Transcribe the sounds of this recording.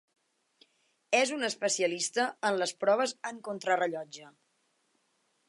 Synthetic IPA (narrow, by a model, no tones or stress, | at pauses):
ɛzunəspəsiəlist̪əənləspɾɔβ̞əzəŋkont̪ɾərəʎɔd͡ʒə